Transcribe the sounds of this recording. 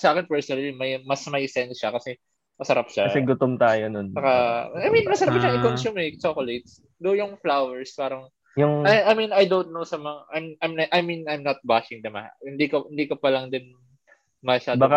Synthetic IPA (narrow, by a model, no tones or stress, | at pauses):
sɐaːkɪnpɛɹsonɐlimɐjmɐsmɐjsɛnsʃɐkɐsɛ | mɐsɐɾap̚ʃaɐɛɡʊt̪omt̪aːjononbɐkaajminmɐsɐɾap̚ʃaŋɪkonsumɛk̚t͡ʃokolɛt̪̚s | d̪ojʊŋflawɛɹspaːɾɐŋ | jʊŋɐjɐjminɐjd̪ownt̪̚nowsɐmɐŋaʔajmajmnɐʔɐjminajmnɐt̪̚baʃɪŋd̪ɐma̰hɪnd̪ikɐhɪnd̪iːkɐpɐlɐŋd̪ɪn | mɐʃaːddbaka